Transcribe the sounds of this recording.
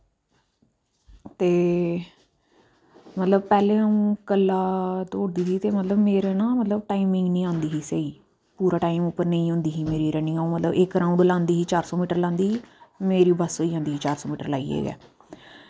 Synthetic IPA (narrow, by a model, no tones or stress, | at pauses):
t̪eː | mət̪ləb̚pɛːlẽːaũːkəlːaːt̪oːɽd̪iːsiːt̪eːmət̪ləbmeːɾenãːmət̪ləbʈaːimɪ̃ŋɡnĩːãːnd̪iːɦiːseiː | puːɾaːʈaːimʊpːəɾnẽĩːɦõːnd̪iːɦiːmeːɾiːɾɛːnɪ̃ŋɡaũːmət̪ləbɪkɾãːũɳɖlãːnd̪iːɦiːt͡ʃaːɾsɔːmiːʈəɾlãːnd̪iːɦiːmeːɾiːbəsoːiːãːnd̪iːiːt͡ʃaːɾsɔːmiːʈəɾlaːḭːḛːɡɛ̰ː